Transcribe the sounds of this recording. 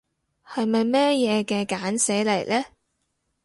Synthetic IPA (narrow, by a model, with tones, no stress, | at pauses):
hɐ˨˧jmɐ˨jmɛː˥jɛː˨˧kɛː˧kaː˨˥nse˨˥jle˨˩jlɛː˥